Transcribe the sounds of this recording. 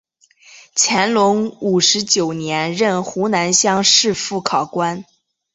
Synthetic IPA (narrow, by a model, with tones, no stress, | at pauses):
t͡ɕʰjɛ˧˥nlʊ˧˥ŋu˨˩ʂɻ̩˧˥t͡ɕjo˨˩ʊnjɛ˧˥nɻə˥˩nxu˧˥na˧˥nɕjɑ˥ŋʂɻ̩˥˧fu˥˩kʰɑ˨˩ʊkwa˥n